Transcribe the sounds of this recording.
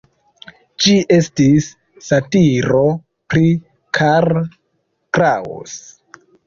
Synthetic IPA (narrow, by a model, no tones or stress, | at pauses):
d͡ʒiʔe̞stisː | atiɾo̞ | pɾi | kʰaɾ | kɾao̰s